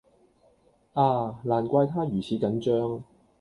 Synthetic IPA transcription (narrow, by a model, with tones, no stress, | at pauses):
ʔaː˧laː˨˩nkʷaː˧jt̪ʰaː˥jyː˨˩t͡sʰiː˨˥kɐ˨˥nt͡ʃœː˥ŋ